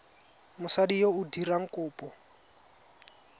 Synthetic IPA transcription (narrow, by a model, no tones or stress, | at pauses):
mʊsadijoudiraŋ̩kʊːpʼɔ